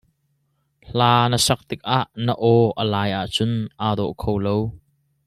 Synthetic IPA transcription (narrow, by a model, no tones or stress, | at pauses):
ɬaːnəsɐk̚t̪ɪk̚ʔaʔnəʔɔʔəlaːjʔaʔt͡sʊnʔaːd̪ɔʔkʰowlow